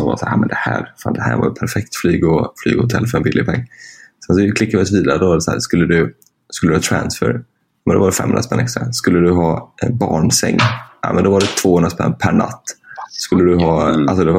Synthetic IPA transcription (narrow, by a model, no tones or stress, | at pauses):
ɔva̰saːɾjamɛnd̪ɛhæːɾfa̰ːnd̪ɛhæ̰ːɾva̰ɾpʰæɾfɛk̚t̪flyːɡɔfly̰ːɡhʊt̪ʰɛlːfœɾɛnbɪlːɪɡpʰɛŋːsɛns̬ɔɪkʰlɪkːavɪɔsviːd̪aɾəd̪ɔvad̪ɛshæːɾskɵlːəd̪ɵ | skɵlːd̪hɑːt̪ʰɾænsfœ̰ɾ | mɛnd̪ɔvaɖɛfɛ̰mːhɵ̰nɾaspɛnːɛkst̪ɾa̰skɵlːəd̪ɵɦɑːʔɛnbɑːɳsɛŋːa̰ːmɛnd̪ɔvaɖɛt̪ʰv̥oːhɵnɾaspɛ̰nːpʰæɳa̰t̪ːskɵlːəd̪ɵɦɑːals̬ɔd̪ɛva